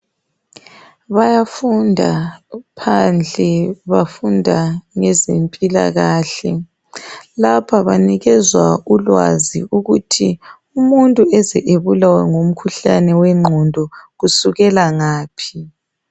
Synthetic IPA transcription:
βajafundʱa̰pʰand͡ɮʱɛβafundʱaŋɛzempʼila̰ɣaːɬɛ | lapʰaβaniɣɛzwaulwa̰ziuɣutʰi | umuntʼuɛzɛʔeβulawɛŋom̩kʰuɬanɛwɛŋ͡ǃʱɔndʱɔɣusuɣɛlaŋaːpʰi

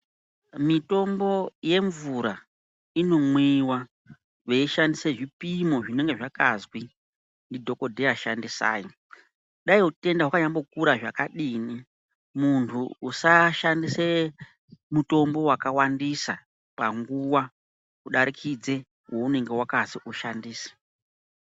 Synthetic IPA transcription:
mito̞mbo̞je̞ɱvuɾa | ino̞mwiwa | ʋe̞iʃandiseʐipimo̞ʐine̞ŋɡe̞ʐakazwi | ndidʱo̞ko̞dʱeaʃandisa̰ːjo | ɗaiɦute̞ndaɦwakaɲambo̞kuɾaʐakaɗiːni | muntʰuːsaʃandise | muto̞mbo̞wakawandisa | pa̰ŋɡuwa | uɗaɾikʰid͡ze̞ | wo̞une̞ŋɡe̞wakasiʔuʃandiːsḁ

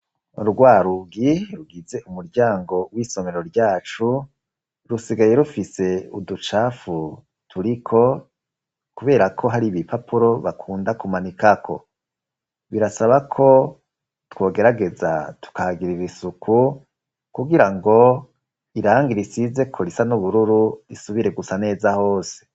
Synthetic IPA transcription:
ɾuɡwaːɾuɡiɾuɡize̞ʔumuɾɟaːŋɡo̞wiːso̞me̞ɾo̞ɾɟaːt͡ʃu | ɾusiɡajeɾufise̞udut͡ʃaːfu | tʰuɾikʰo̞ | kuβe̞ːɾakʰo̞ɦaɾiβipʰapʰuɾo̞βakʰuːndakumanikakʰo̞̰ | βiɾasaβakʰo̞ | two̞ːɡe̞ɾaɡe̞za̰tu̥kahaɡiɾiɾisukʰu | kuɡiɾaŋɡo̞ | iɾaːŋɡiɾisize̞kʰoɾisanuβuɾuɾuisuβiɾe̞ɡusane̞ːzaho̞ːse̥

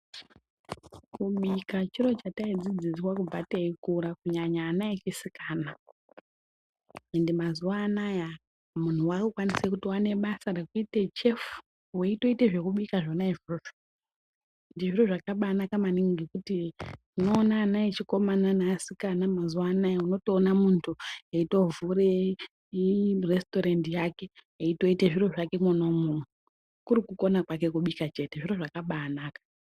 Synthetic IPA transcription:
kuɓikat͡ʃiɾo̞t͡ʃataid͡zid͡ziswakub͡vateikuɾakuɲaɲaːnaet͡ʃisikaːna | endimazuwaːnaja | mun̤uwakukwanisekutiwane̞ɓasaɾe̞kuite̞t͡ʃe̞fu̥ | weito̞iteʐe̞kuɓikaʐonaiʐuro | ndiʐiro̞ʐakaɓaːnakamaniŋɡikutitino̞ːnaːnaet͡ʃiko̞mananaːsikanamazuwanajeuno̞to̞ːnamuntʰueito̞vure | iresto̞ɾendijake̞jeito̞iteʐiroʐake̞muno̞muu | kuɾikuko̞nakwake̞kuɓikat͡ʃe̞te̞ʐiro̞ʐakaɓaːnaːkḁ

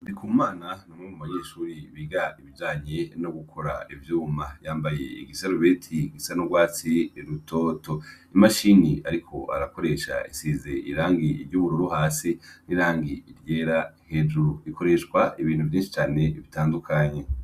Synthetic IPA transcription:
ndikʰuːmaːnanamŋuumaɲeːʃuːɾiβiɡaiβivɟaːɲenoɡukʰo̞ɾaivjuːmajaːmbaje̞̰iɡisaɾuβe̞ːtʰiɡisanoɡwaːt͡siiɾutʰo̞ːto̞imaʃiniaɾikʰo̞ʔa̰ɾako̞ɾe̞ʃa̰isiːze̞ʔiɾaːŋɡiiɾɟuβuɾuɾuhaːsiniɾaːŋɡiːɾjeːɾahe̞d͡ʒuɾuikʰo̞ɾe̞ʃkwaiβiːn̥huvjiːnʃi̥t͡ʃaːne̞βitaːndukʰaɲe̞

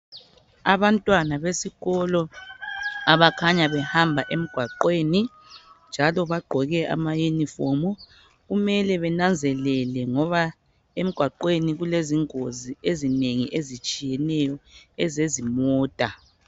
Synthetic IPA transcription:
aβantʼwanaβesiɣɔlɔ | aβakʰaɲaβɛhambʱaʔem̩ɡ̥ʱwaǃweːni | nd͡ʒʱalɔβaɡ͡ǃʱɔɣɛʔa̰majunifɔmɔ | ɣumɛlɛβɛnand͡zʱɛlɛlɛŋɔβa | em̩ɡ̥ʱwaǃweniɣuleziŋoziezineŋiʔezit͡ʃʼijɛnɛjɔɛzezimɔːd̥ʼa

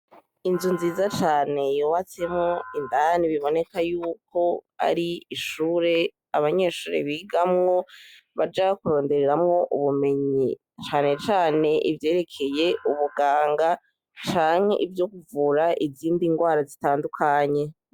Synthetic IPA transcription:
inzunziːzat͡ʃaːne̞jowat͡se̞mŋo̞indaniβiβo̞ne̞kajuːko̞a̰ɾiiʃuːɾe̞ | aβaɲe̞ːʃuːɾe̞̰βiːɡamŋo̞ | βad͡ʒakuɾo̞ːnde̞ɾeɾamŋo̞ʔuβume̞ɲi | t͡ʃaːne̞t͡ʃaːne̞ʔivje̞ːɾe̞kʰe̞je̞uβuɡaːŋɡa | t͡ʃaːŋ̥e̞̰ʔivjo̞kuvuɾaʔiziːndiŋɡwaːɾazitaːndukʰaɲe̞

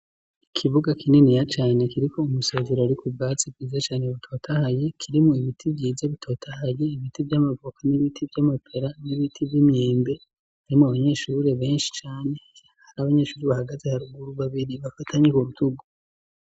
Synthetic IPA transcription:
ikʰiβuɡakinenijat͡ʃaːne̞kiɾiko̞umusezeɾoaɾikub̚ɡaːt͡sibɡiːzat͡ʃaːneβitʰo̞ːtʰahaje̞kʰiɾimuiβitʰibɟiːzaβitʰo̞ːtʰahaje̞iβitibjamavukʰaniβitʰibɟamapʰeɾaniβitʰibjimeːmbe̞ | haɾimuaβaɲe̞ːʃuːɾe̞βe̞ːnʃi̥t͡ʃaːne̞ | haɾaβaɲe̞ːʃuːɾeβahaɡaze̞haɾuɡuɾuβaβiɾiβafatʰaɲekoɾutuɡu

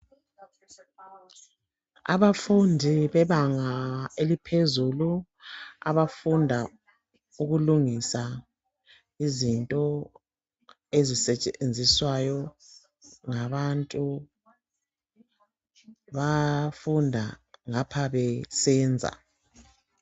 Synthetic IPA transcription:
a̰βafundʱiβɛβaŋaelipʰezulu | a̰βafundʱa | uɣuluŋisa | izintʼɔ | ezisɛt͡ʃʼend͡zʱiswajɔ | ŋaβantʼu | βafundʱaŋapʰaβɛsɛːnd͡zʱa̰

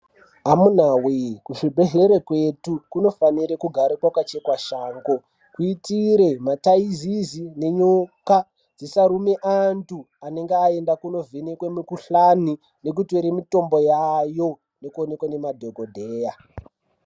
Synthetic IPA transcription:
amun̤awekuʐibʱe̞ɮe̞ɾekwetukuno̞faniɾekuɡʱaɾekwakat͡ʃe̞kwaʃaːŋɡo | kuitiɾe̞mataizizine̞ɲoka | d͡zisaɾumeʔantu | ane̞ŋɡeae̞ndakuno̞vʱenekwemikuɬani | ne̞k̬utweɾemito̞mbo̞jajo̞ | ne̞kuone̞kwane̞madʱoɡʱodʱeːja

